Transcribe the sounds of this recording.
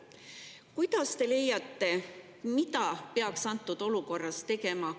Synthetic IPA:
kujd̪̥ɑst̪e̞le̞jɑt̪ːˑe̞ | mit̪ɑpeɑksɑnt̪ːˑud̪̥o̞luko̞rːɑst̪e̞ɡe̞mɑ

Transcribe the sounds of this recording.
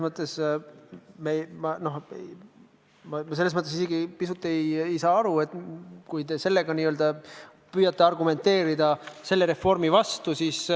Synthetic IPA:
smɤt̪ːˑe̞s | memɑno̞hḛj | mɑmselːs̬mɤt̪ːˑesise̞ɡipisut̪ːˑe̞jejsɑːɑɾue̞t̪ːˑkujt̪e̞se̞lːe̞ɡ̥ɑniːøld̪ɑ | pyːjɑt̪ːˑe̞ɑrɡume̞nt̪ːˑe̞ːɾid̪ɑse̞lːe̞ɾe̞fːo̞rmivɑst̪usiːs

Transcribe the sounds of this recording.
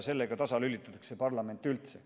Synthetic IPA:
se̞lːeɡ̥ɑt̪ɑsɑlylːit̪ːˑɑt̪ɑ̥ksepɑrlɑme̞nt̪ːˑylt̪se

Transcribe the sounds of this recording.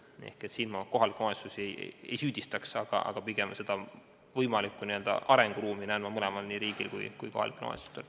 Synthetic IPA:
ḛhket̪siːnmɑko̞ɦɑlikːnoest̪usiejḛjḛjsyːd̪̥ʲist̪ɑksɑɡ̥ɑ̰ʔɑ̰ɡ̥ɑpiɡ̥e̞mse̞d̪̥ɑ | vɤjmɑlikːˑuniøld̪̥ɑ̰ʔɑɾe̞ŋɡ̥uɾuːminæːnmːɑmɤlemɑlniɾiːɡ̥ilkṵjkujko̞̰hɑ̰likːˑno̰ˑḛst̪u̥st̪el

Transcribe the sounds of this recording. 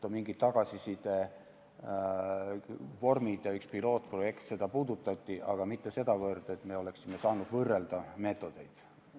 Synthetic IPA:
t̪omiŋɡit̪ːɑɡ̥ɑsisid̪e̞ | vo̞rmid̪̥jɑykspilo̞ːt̪ːˑpro̞je̞kt̪se̞d̪̥ɑpuːd̪ut̪ːˑɑt̪ʲːiʔɑɡ̥ɑmit̪ːe̞se̞d̪̥ɑvɤrd̪̥e̞t̪ːme̞o̞le̞ksime̞sɑːnud̪̥vɤrːe̞ld̪̥ɑme̞ːt̪ːˑo̞d̪̥e̞jd̪̥

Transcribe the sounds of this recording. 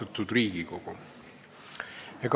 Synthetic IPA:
ɑt̪ːˑud̪riːɡ̥ikoko | jɑk

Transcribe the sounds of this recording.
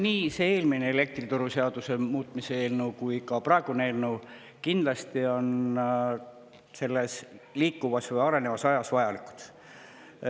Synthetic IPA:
niːseeːlmineele̞k̚t̪rit̪uɾuseɑd̪̥usemuːt̪ˑmiseeːlnewkujkɑprɑeɡ̥uneelnew | kind̪lɑst̪io̞n | se̞lːe̞sliːkːˑuvɑsvɤjɑɾe̞ne̞vɑsɑjɑsvɑjɑliku̥t̪

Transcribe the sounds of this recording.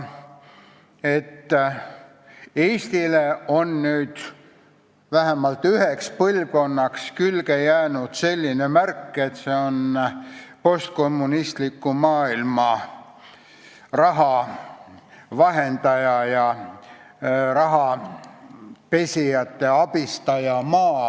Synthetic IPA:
e̞t̪ː | eːst̪ile̞o̞nnyːd̪̥ | væɦæmɑlt̪ːˑyɦekspɤlvko̞nːɑkskylɡ̥e̞jæːnud̪̥se̞lʲːinemærkːˑe̞t̪se̞o̞n | po̞st̪̚ko̞mːunist̪likːˑumɑːilmɑ | rɑɦɑ | vɑɦe̞nd̪̥ɑjɑjɑ | rɑɦɑ | pe̞sʲijɑt̪ːe̞ɑb̥ist̪ɑjɑmɑː

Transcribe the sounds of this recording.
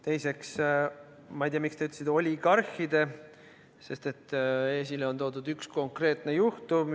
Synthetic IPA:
t̪e̞jse̞ks | mɑijd̪ijɑmikst̪ɑyt̪ːˑesid̪o̞lʲiɡ̥ɑrhid̪̥e̞ | se̞st̪e̞t̪ːˑe̞ːs̬ileo̞nt̪o̞ːd̪ud̪yksko̞ŋkre̞ːt̪ˑne̞juht̪um

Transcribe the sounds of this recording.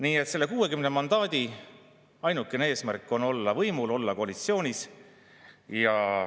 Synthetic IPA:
niːe̞t̪se̞lːe̞kuːwe̞kymnemɑnd̪̥ɑːd̪̥i | ɑjnukːˑenee̞ːsmærkˑːo̞no̞lːɑvɤjmulo̞lːɑkoɑlit̪sio̞ːnʲis | jɑ

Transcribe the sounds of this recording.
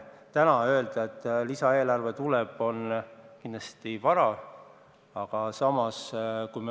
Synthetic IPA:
t̪ænɑø̞ld̪̥ɑe̞t̪ːˑlisɑe̞ːlɑrve̞t̪uleb̥o̞nkind̪lɑst̪ivɑɾɑ | ɑɡ̥ɑsɑmɑskujme

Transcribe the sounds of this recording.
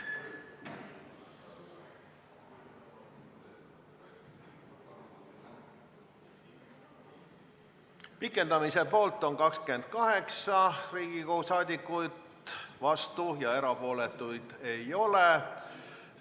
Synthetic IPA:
pikːˑe̞nd̪ɑmise̞po̞ːlt̪ːˑo̞ŋkɑkske̞nd̪̥̚kɑɦe̞ksɑriːɡ̥ikousɑːd̪ʲikːˑujd̪ | vɑst̪ujɑe̞ɾɑpo̞ːle̞t̪ːˑujd̪̥e̞jo̞le

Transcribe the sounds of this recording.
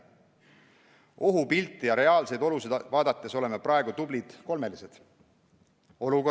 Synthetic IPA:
o̞ɦupilt̪ːˑijɑɾe̞ɑːlse̞jd̪o̞lused̪̥vɑːd̪ɑt̪ːˑe̞so̞le̞meprɑeɡut̪ublid̪̥ko̞lme̞lise̞d̪̥ | o̞luko

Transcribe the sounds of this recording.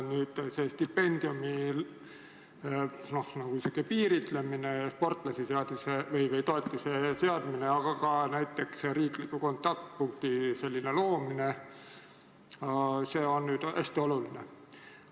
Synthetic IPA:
nyːd̪̥se̞st̪ipːe̞nʲd̪̥iumi | nohnɑkuiseɡ̥ipiːɾit̪lemine̞ɑspo̞rt̪ˑlɑsiseɑd̪̥isevɤjvejt̪o̞et̪ːiseseɑd̪mine̞ɑɡ̥ɑkɑnæjt̪ːˑe̞ksɾiːklikːuko̞nt̪ːˑɑkt̪̚puŋk̚t̪ise̞lʲːine̞lo̞ːmine̞ | ɑse̞ːo̞nːyːd̪̥æ̰sʲt̪io̞luline

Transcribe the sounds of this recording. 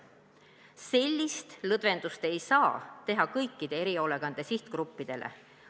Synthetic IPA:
se̞lʲːist̪lɤd̪ve̞nd̪ust̪e̞jsɑːt̪e̞ɦɑkɤjkːid̪̥e̞eɾio̞le̞ɡ̥ɑnd̪̥e̞siht̪ɡ̥ɾupːid̪̥e̞̰lʔḛ

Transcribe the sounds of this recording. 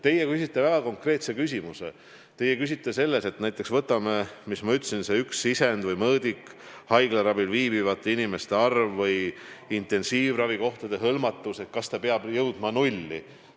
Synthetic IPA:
t̪e̞jekysʲit̪ːˑevæɡ̥ɑko̞ŋkre̞ːt̪sekysʲimusḛ | t̪e̞jekysit̪ːˑe̞se̞lːese̞t̪næjt̪ːˑe̞ksvɤt̪ːˑɑmemismɑyt̪ːˑsinse̞yksisend̪vɤjmɤːd̪ik | hɑjɡ̥leɾɑbilviːbivɑt̪ːˑeinime̞st̪e̞ɑrvːɤjint̪ˑe̞nsiːvrɑviko̞ht̪ɑd̪e̞ɦɤlmɑt̪ːˑuse̞t̪̚kɑst̪ɑpeɑb̥jɤwd̪̥mɑnulʲːḭ

